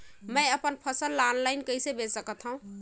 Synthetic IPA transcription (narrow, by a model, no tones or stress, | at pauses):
məjəpənpʰəsəlːanlaɪnkəjsebesəkət̪ʰɦə̃ũ